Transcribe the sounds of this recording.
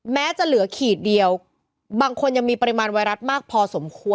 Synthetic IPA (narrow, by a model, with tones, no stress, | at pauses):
mɛː˦˥t͡ɕa˨˩ʔlɯ˩˦ɐkʰiː˨˩t̪̚di˧əw | baː˧ŋkʰo˧nja˧ŋmiː˧pa˧ɾi˧maː˧nwaː˧jɾa˦˥t̪̚maː˥˩k̚pʰɔː˧so˩˦mkʰu˧ə